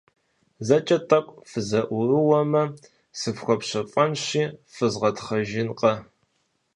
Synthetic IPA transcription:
zɐt͡ʃʼɐtʼɐkʷʼfɨzɐʔʷʊrɨwɐmɐ | sɨpxʷɔpɕɐfʼɐnɕiːfɨzʁɐtχɐʒɪnqʼɐ

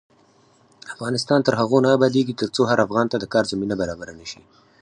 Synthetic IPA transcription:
afɣɑnɪst̪ɑnt̪əɾɦaɣonɑːbɑd̪eɡit̪əɾt͡soɦaɾafɣɑnt̪ad̪əkɑɾzaminabaɾɑbaɾanəʃi

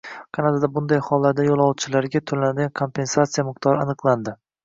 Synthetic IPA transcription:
qʰɑnad̪ad̪abʊnd̪ajhɒlˠːaɾd̪ajolˠɒwt͡ʃʰɪlaɾɡʲat̪ʰolanad̪ɡʲankʰo̞mpʰe̞nsat̪sijamɨq̚t̪ʰɒɾanɨqlˠand̪ɪ

